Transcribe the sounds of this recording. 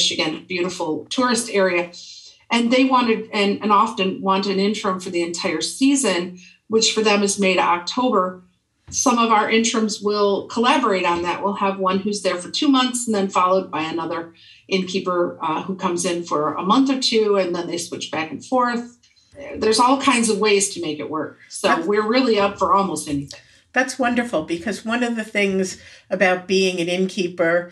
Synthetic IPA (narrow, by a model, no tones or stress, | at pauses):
ʃɨɡɨ̃n̚b̥jʉɾəfl̩ˠtʰʊɹɨstɛɹiɨ | ʔɨ̃nðeɪwɑ̃ɾ̃ɨɾɨ̃nɨ̃nɑfɨ̃nwɑ̃ntɨ̃nɪ̃ntɹ̥ɨ̃ɱfə˞ðiɨ̃ntʰaɪə˞sizɨ̃n | wɨt͡ʃfə˞ðɨ̃mɨzmeɪɾɨ̰ɾɑk̚tʰoʊbə˞ | sʌ̃mʌvaʊə˞ʔɪ̃ntɹ̥ɨ̃mzwɪlˠkʰəlæbə˞eɪɾn̩ðɨʔwʔəlˠəvwʌ̃nhʉzðə˞fə˞tʰʉmʌ̃nθsn̩ðɨ̃nfɑlˠoʊd̚baɪɨnʌðə˞ | ʔɪ̃nkʰipə˞hukʰʌ̃mzɪ̃nfə˞ə̰mʌ̃nθə˞tʰʉɨ̃nðə̃nðeɪswɪt͡ʃb̥ækn̩fɔɹθ | ðə˞zɔlˠkʰãɪ̃ndzʌvweɪz̥tʰɨmeɪkɨ̰ʔ̚wɜ˞k̚soʊwɪɹɹɪlˠiʌpfə˞ɔlˠmoʊstɛniθɪ̃ŋ | ðætswʌ̃ndə˞fl̩ˠbɨkʰʌzwʌ̃nʌvðɨθɪ̃ŋzɨbaʊt̚b̥iɪ̃ŋɨ̃nɪ̃nkʰipə˞